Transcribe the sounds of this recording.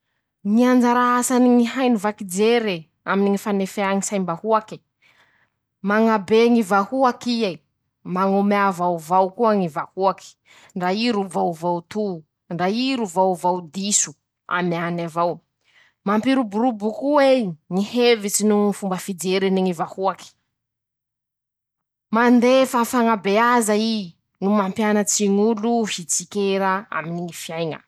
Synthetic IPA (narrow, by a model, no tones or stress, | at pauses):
ŋiand͡ʒaɾaasaniŋiɦajnivakid͡ʒeɾe | aminiŋifanefeaŋisajmbahuaki̥ | maŋabeŋivahuakia | maŋomavawvawkuaŋivahuaki̥ | ɳɖ͡ʐaiɾuvawvawt̪u | ɳɖ͡ʐaiɾuvawvawd̪isu̥ | a̰mianavaw | mampiɾubuɾubukuweŋihevit͡sinuifumbəfid͡zeɾiniŋivahuaki̥ | mand̪efafaŋabeazai | numampjanat͡siŋuluhit͡sikeɾaa̰miniŋifiajŋə̰